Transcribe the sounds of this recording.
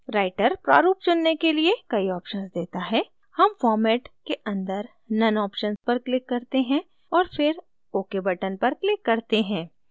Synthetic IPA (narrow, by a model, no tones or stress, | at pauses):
ɾaːɪʈəɾpɾa̰ːɾuːp̚t͡ʃʊnːekeliekɐiɔːpʃənzd̪eːt̪aɦɛː | hɐmfɔːɾmɛːʈkeʔɐ̃nd̪əɾ | nɐnɔːpʃənspɐɾklɪkːɐɾt̪eɦɛ̃ | ɔːɾfɪɾ | oːkebɐʈənpɐɾklɪkːɐɾt̪eɦɛ̃ː